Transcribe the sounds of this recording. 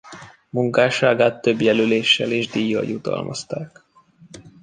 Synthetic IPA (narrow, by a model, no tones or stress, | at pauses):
muŋkaːʃaːɡaːt̪ːøbjɛlyleːʃːɛleːʒd̪iːjːɒ̰jut̪ɒ̰lmʔɒ̰st̪aːk